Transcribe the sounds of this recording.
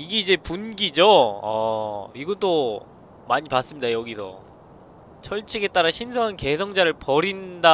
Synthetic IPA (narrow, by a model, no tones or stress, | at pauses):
iɡeid͡ʑe̞punɡid͡ʑoʌ̰iɡʌt͈o | maɲipas͈ɯmɲidajʌɡisʰʌ̰ | t͡ɕʰʌɭt͡ɕʰiɡe̞t͈aɾaɕʰinsʰʌŋanke̞sʰʌŋd͡ʑaɾɯɭpʌɾinda